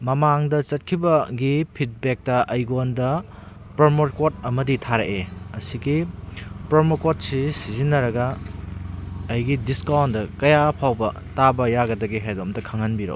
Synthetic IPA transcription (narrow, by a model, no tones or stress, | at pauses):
mɐmaŋdɐt͡ʃɐt̚kʰibɐɡipʰit̚bek̚tɐʔɐjɡondɐ | pɾɐɾmoɾkotɐmɐditʰaɾɐʔeɐsiɡipɾɐɾmokot̚sisizinːɐɾɐɡɐ | ɐjɡidiskawndɐkɐjapʰawbɐ | tabɐjaɡɐdɐɡiɦajdomdɐkʰɐŋɐnbiɾo̰